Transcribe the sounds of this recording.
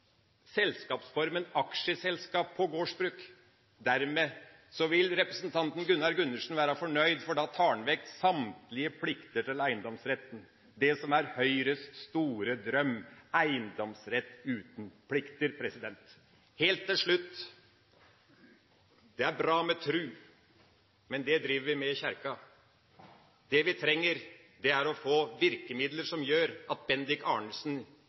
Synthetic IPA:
sɛlskɑːpsfɔɾmənɑkʂəsɛlskɑːpʰːɔɡoːʂbɾʉːk | d̪æɾmeː | sɔʋɪlɾɛpɾəsnt̪ʰɑnt̪n̩ɡʉnːɑɾɡʉnːəʂn̩ʋæːɾɑfɔɳœʏd̪fɔɖɑːt̪ʰɑːɳʋɛk̚tsɑmt̪lɪəpʰlɪkt̪əʈʰɪlæɪənd̪ɔmsɾɛt̪ːn̩ | d̪ɛsɔmæɾhœʏɾəst̪st̪uːɾəd̪ɾœmːæɪənd̪ɔmsɾɛt̪ːʉːt̪n̩pʰlɪkt̪əɾpʰɾɛsɪd̪ɛnt̪ | heːlt̪ʰːɪlʂɭʉt̪ː | d̪̥ɛæɾbɾɑːmɛt̪ʰɾʉː | mɛnd̪ɛd̪ɾiːʋəɾʋɪmɛçæɾkɑ | d̪̥ɛʋɪt̪ʰɾɛŋːəɾ | d̪ɛæɾɔfoːʋɪɾkəmɪd̪ləɾʂɔmjøːɾʔɑt̪̚bɛnd̪ɪkɑːɳəsn

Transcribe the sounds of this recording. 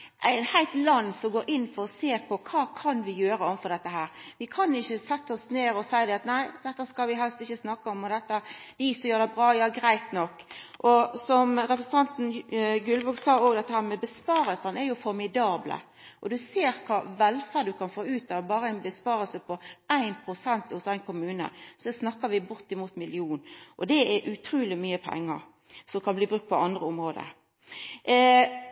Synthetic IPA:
ʔæɪnhæɪlt̪lɑnːsɔmɡoːɾʔɪnːfɔɾɔseːɾpʰɔkʰɑːkʰɑnʋɪjøːɾəɔʋnfɔʁd̪ɛt̪ːəɦæːɾʋɪkʰɑnɪçːəsɛt̪ːəɔsneːɾɔsæɪd̪ɛɑt̪næɪd̪ɛt̪ːəskɑlʋɪɦɛlst̪ɪçːəsnɑkːəɔmɔd̪ɛt̪ːəd̪̥ɪɪsɔjøːɾd̪ɛbʁɑːjɑːɡɾæɪt̪nɔkːʔɔsɔmɾɛpɾəsən̩t̪ʰɑnt̪n̩ɡʉlbuɡsɑːoːɡd̪ɛt̪ːəhæːɾmɛbəspɑːɾəlsɑnɛɾjʊfɔɾmɪd̪ɑːblə̰ | ʔɔd̪ʉseːɾkʰɑːʋɛlfæɾd̪ʉkʰɑnfoːʉːt̪ɑbɑːɾəæɪnbəspɑːɾəlsəpʰɔʔæɪnpʰʁʊsɛnt̪hʊsæɪnkʰʊmʉːnə̰sɔɛsnɑkːəʋɪbʊʁt̪ɪmuːt̪mɪlɪuːnʔɔd̪ɛɛɾʔʉt̪ʰɾuːlɪmyːəpʰɛ̰ŋːə̰ʁ | sɔmkʰɑnbliːbɾʉkt̪pʰɔɑnd̪ʁəʊmʁoːd̪ə̰

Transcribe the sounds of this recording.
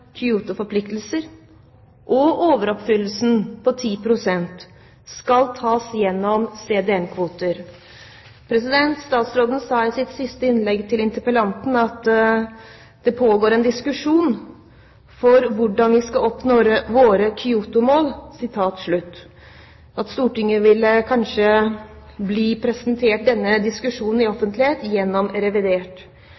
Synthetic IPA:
kʰʏuːt̪ʊfɔɾpʰlɪkt̪lsəɾ | ʔɔoːʋəɾɔpfʏlːəsn̩pʰɔt̪ʰiːpʰɾʊsɛnt̪ | skɑlt̪ʰɑːsjɛnːɔmseːd̪ɛɛnkʰʋuːt̪əɾ | pʰɾɛsɪd̪ɛnt̪st̪ɑːt̪sɾoːd̪ən̩sɑːɪsɪt̪sɪst̪əɪnlɛɡt̪ʰɪlɪnt̪əɾpəlɑnt̪n̩ɑt̪ | d̪̥ɛpʰoːɡoːɾɛnd̪ɪskʉʂuːn | fɔɾʋʊɖɑnʋɪskɑɔpnoːɾəʋoːɾəkʰʏuːt̪ʊmoːlsɪt̪ʰɑːt̪ʂɭʉt̪ː | ɑt̪st̪uːʈɪŋːəʋɪlkʰɑnʂə | bliːpʰɾɛsənt̪ʰeːʈ̚d̪ɛnːəd̪ɪskʉʂuːnn̩ɪɔfənt̪lɪheːt̪jɛnːɔmɾɛʋɪd̪eːʈ

